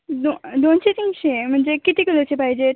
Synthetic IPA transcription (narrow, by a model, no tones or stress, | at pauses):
dod̪ont͡ɕet̪iŋɡɕem̤əɳd͡zekit̪ikəlot͡ɕepaɦid͡ʑe